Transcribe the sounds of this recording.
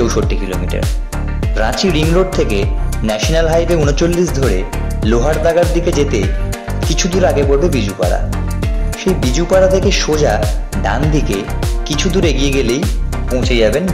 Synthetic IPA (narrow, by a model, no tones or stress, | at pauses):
owʃoʈːikilo̰miʈa̰ɾ | ɾã̰t͡ɕiɾiŋɾoɖ̚t̪ʰekenɛʃonalɦajbeunot͡ɕolːiʃd̪ʱoɾeloɦaɽd̪aɡaɾd̪iked͡ʑet̪e | kit͡ɕʰud̪uɾaɡepoɾbebid͡ʑupa̰ɽa̰ | ʃejbid͡ʑupaɽat̪ʰekeʃod͡ʑaɖa̰nd̪ʱikekit͡ɕʰud̪uɾeɡijeɡelejpõw̃t͡ɕʰed͡ʑaben